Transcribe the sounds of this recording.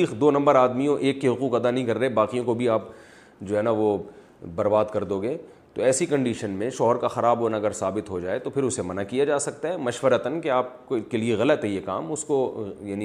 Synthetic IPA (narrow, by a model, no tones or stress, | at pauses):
iːxd̪oːnɐ̃mbəɾaːd̪miõʔeːkːeɦʊquːqɐd̪anɐɦĩkɐɾːɐɦebaːqijõkobʱiaːp̚ | d͡ʒoːɦɛːnaʋo | bɐɾbaːd̪kɐɾd̪oːɡeː | t̪oɛːsikɐ̃ɳɖiːʃənmẽʃɔɦɔɾkaxɐɾaːbɦoːnaɐɡəɾsaːbɪt̪ɦod͡ʒaːet̪opʰɪɾʊsemɐnakijad͡ʒaːsɐk̚t̪aɦɛːmɐʃʋəɾət̪ənkeaːp̚kkelieɣɐlət̪ɦɛjeka̰ːmʊskojaːni